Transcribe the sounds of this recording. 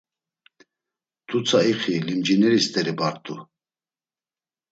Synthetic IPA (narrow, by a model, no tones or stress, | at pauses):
t̪ʰut͡sʰaiχilimd͡ʒinɛɾist̪ʰʼɛɾibaɾt̪ʰʼu